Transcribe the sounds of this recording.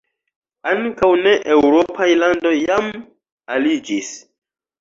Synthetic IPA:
aŋkawne̞ʔewɾo̞pʰajlando̞jjam | alid͡ʒis

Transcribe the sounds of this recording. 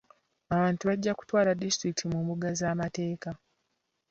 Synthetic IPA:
aβaːntuβaɟːaku̥twaːladistɾikitimumbuɡazaːmate̞ːka

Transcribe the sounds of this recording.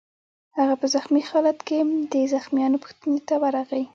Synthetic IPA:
haɣapəzaxmixɑlat̪ked̪əzaxmijɑnopʊ̥xt̪ənet̪awaɾaɣai

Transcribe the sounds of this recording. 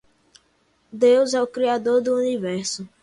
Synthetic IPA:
d̪ewzɛʊkɾiad̪oɾd̪ʊunivɛɾsʊ

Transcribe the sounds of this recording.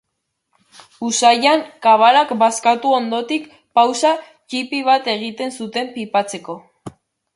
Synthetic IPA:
usajaŋkaβ̞alakbaskat̪uo̞nd̪o̞t̪ik | pawsa | t͡ʃipiβ̞at̪e̞ɣ̞it̪e̞nsut̪e̞mpipat͡se̞ko̞

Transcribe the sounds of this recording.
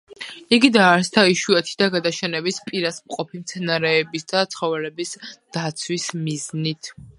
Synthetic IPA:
iɡid̪aːɾst̪ʰaiʃuɛt̪ʰid̪aɡad̪aʃɛnɛbispʼiɾasmqʼɔpʰimt̪sʰɛnaɾɛːbisd̪̥at̪sʰχɔvɛlɛbisd̪̥at̪sʰwismiznit̪ʰ

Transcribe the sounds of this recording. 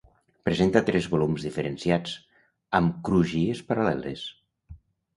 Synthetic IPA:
pɾezent̪at̪ɾɛzβolumzðifeɾensjad͡z | əmkɾuʒiespəɾalɛlḛs

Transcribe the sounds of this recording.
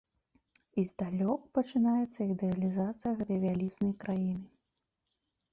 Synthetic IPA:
izd̪alʲɔkpɐt͡ʂɨnajɛt̪sːɐid̪ɛɐlʲizat̪sɨjɐɣɛt̪ɐjvʲalʲiznɐjkɾajinɨ

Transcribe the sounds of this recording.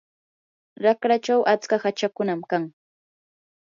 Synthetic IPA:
ɾakɾat͡ʃawʔat͡skahat͡ʃakʊnamkaŋ

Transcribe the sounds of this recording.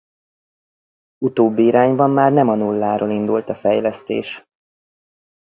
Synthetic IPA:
ut̪oːbːiiɾaːɲbɒmːaːrnɛmɒnulːaːɾoːlind̪ult̪ɒfɛjlɛst̪ḛːʃ

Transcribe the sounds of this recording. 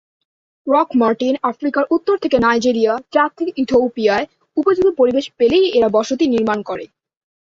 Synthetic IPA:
ɾɔkmaɾʈinafɾikaɾʔut̪ːoɾt̪ʰekenajd͡ʑiɾijat͡ɕɾat̪ʰːikit̪ʰopiae | upod͡ʑud̪opoɾibeʃpelejeɾabɔʃot̪̬iniɾmankɔɾḛ

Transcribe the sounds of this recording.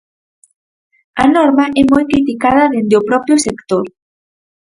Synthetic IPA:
ɐnɔɾmɐʔɛmɔjkɾit̪ikað̞ɐðend̪eopɾɔpɾjʊsekt̪oɾ

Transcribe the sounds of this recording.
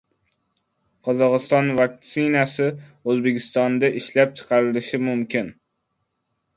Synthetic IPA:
qʰɒzɒqɨst̪ɒnvak̚t̪sɪnasɪɵzbekʲɪst̪ɒnd̪aʔɪʃlap̚t͡ʃʰɨ̥qʰɑɾɪlɪʃɪmʊmkʲɪn

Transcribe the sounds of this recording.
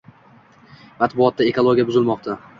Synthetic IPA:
mat̪bʊɒt̪̚ːae̞kʰolˠoɡʲijabʊzɪlmɒq̚t̪ʰa

